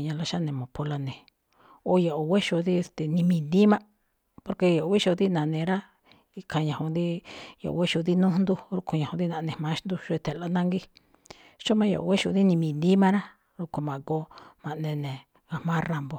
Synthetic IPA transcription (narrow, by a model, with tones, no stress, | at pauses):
ɲã˧la˧ʃa˦nẽ˨mõ˨po˧la˧nẽ˨ | o˧˦jo˨ʔo˨we˦ʃo˧ði˦e˧st̪e˨nĩ˧mĩ˧nd̪i˦mã˦ | po˧ɾke˧jo˨o˧wi˦ʃo˧ði˦nã˨nẽ˧ɾa˦ | i˧kʰã˧ɲã˨hõ˧nd̪i˦jo̰˨ʔo̰˧we˦ʃo˧ði˦nũ˦hnd̪u˧ɾu˧kũ˧ɲã˨hũ˧ði˦nã˧nẽ˨mã˧˦ʃnd̪u˧ʃo˧e˧t̪e˨la˧nã˦ŋɡi˦ | ʃo˦mã˧˦jo̰˨ʔo̰˧we˦ʃo˧ði˦nĩ˧mĩ˧nd̪i˦mã˦˧ɾa˦ | ɾu˧ku˧mã˨ko˧˦mã˨ʔnẽ˧nẽ˨ | ɣa˨hmã˦ra˨mbo˨